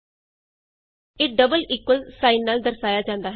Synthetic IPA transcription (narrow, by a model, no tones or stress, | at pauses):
eːɖəbəliːkwəlsaːinːaːld̪əɾsaːjaːd͡ʒãːnd̪aːɦ